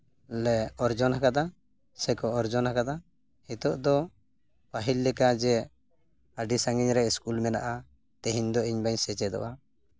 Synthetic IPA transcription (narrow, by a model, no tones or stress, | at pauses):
lɛɔɾd͡ʒɔnakad̪a | sɛkɔɔɾd͡ʒɔnhakad̪a | hit̪ɔʔd̪ɔ | paɦilːɛkad͡ʒɛ | aɖisaŋɡiɲɾɛskulmɛna̰ʔa | t̪ɛɦiɲd̪ɔiɲbaɲsɛt͡ʃɛd̪ɔ̰ʔa